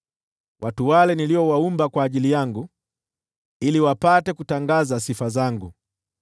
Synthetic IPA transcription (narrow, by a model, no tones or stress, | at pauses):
wʔatuwalɛniliɔwaumbakwaːʄilijaŋɡu | iliwapatɛkutaŋɡazasifazaŋɡu